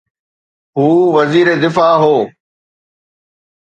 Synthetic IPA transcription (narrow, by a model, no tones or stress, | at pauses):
ɦuːʋɐziːɾed̪ɪfaːɦoː